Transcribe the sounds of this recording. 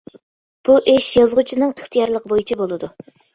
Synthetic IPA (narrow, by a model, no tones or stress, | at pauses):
b̥uʔɪʃjɑzʁut͡ʃʰinɨŋəχt̪ʰijɑɾlˠəqbojit͡ʃʰibolˠɨd̪u